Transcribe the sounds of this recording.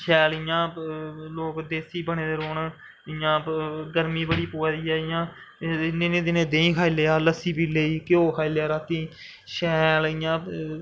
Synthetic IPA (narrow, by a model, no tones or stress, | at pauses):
ʃʰɛːlɪjãːloːkd̪eːsiːbəɳẽːd̪eːɾoːn | ɪjãːɡəɾmĩːbəɽiːpoːd̪iːɛːɪjãː | neːnẽːd̪ɪnẽːd̪ẽːĩːkʰaːileːaːləsiːbiːleiːkɪoːkʰaːileaːɾaːt̪ĩː | ʃɛːlɪjãː